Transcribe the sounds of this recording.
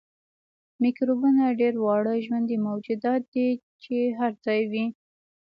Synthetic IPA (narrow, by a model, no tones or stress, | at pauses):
mikɾobunaɖeɾwɑɽəʒwand̪imawd͡ʒʊd̪ɑt̪̚d̪i | t͡ʃeɦaɾd͡zɑjwi